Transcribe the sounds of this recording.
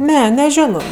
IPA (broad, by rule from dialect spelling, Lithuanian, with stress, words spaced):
ˈnʲɛ nʲɛˈʒʲoːnoː